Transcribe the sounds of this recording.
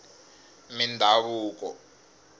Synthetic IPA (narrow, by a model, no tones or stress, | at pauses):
mindʱaβuːkɔ